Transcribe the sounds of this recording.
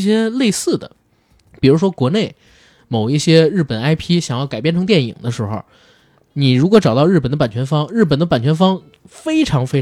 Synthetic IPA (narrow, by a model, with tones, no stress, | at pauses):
ɕjɛ˥le˥˧ɪsɹ̩˥˩d̪ə̰˩ | pi˨˩ɻu˧˥ʂwɔ˥kwɔ˧˥ne˥˩ɪ | mo˨˩ʊi˥˩ɕjɛ˥ɻ̩˥˩pə˨˩na˥ɪpʰi˥ɕjɑ˨˩ŋjɑ˥˩ʊka˨˩ɪpjɛ˥˩nʈ͡ʂʰɤ˧˥ŋt̪jɛ˥˩nḭ˨˩ŋd̪ə˦ʂɻ̩˧˥xo̰˥˧˩ | ni˨˩ɻu˧˥kwɔ˧˥ʈ͡ʂɑ˨˩ʊt̪ɑ˥˧ʊɻ̩˥˩pə˨˩nd̪ə˧pa˨˩nt͡ɕʰɥɛ˧˥nfɑ˥ŋɻ̩˥˩p̬ə˨˩nd̪ə˦pa˨˩nt͡ɕʰɥɛ˧˥nfɑ˥ŋ | fe˥ɪʈ͡ʂʰɑ˧˥ŋfe˥ɪ